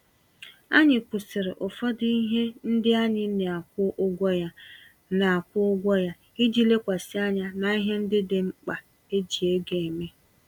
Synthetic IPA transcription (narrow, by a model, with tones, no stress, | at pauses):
a̰˦ɲɪ˨kʷʊ˨sɪ˨ɾɪ˨ʔʊ˨fɔ˦dɪ˦i˦ɦe˦n̩˦dɪ˦a˦ɲɪ˦ne˨a˨kʷʊ˦ʔʊ˦ɡʷɔ˦ja˦ | na˨a˨kʷʊ˦ʊ˦ɡʷɔ˦ja˦ | i˦d͡ʒi˦le˦kʷa˨sɪ˦a˦ɲa˦na˨i˦ɦe˦n̩˦dɪ˦dɪ˨ŋ͡m̩˦k͡pa˨ | e˦d͡ʒi˨e˦ɡe˨e˨me˦